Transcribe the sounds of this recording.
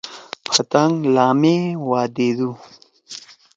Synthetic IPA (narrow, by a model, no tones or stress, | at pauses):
pʰat̪aŋɡlɑːmewɑːd̪ed̪u